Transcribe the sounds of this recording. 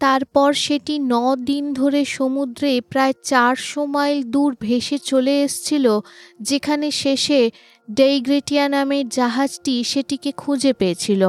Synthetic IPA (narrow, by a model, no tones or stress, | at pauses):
t̪aɾpɔɾʃeʈinɔd̪ind̪ʱoɾeʃomud̪ɾepɾaet͡ɕaɾʃomɔjld̪uɾbʱeʃet͡ɕoleeʃt͡ɕʰilod͡ʑekʰaneʃeʃe | ɖejɡɾeʈianameɾd͡ʑaɦad͡ʑʈiʃeʈikekʰud͡ʑepeet͡ɕʰilo